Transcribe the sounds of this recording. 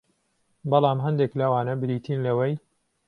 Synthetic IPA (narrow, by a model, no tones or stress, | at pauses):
bɑlˠɑːmɦɐnd̪eklɐwaːnɐbɨɾiːt̪ʰiːnlɐwɐj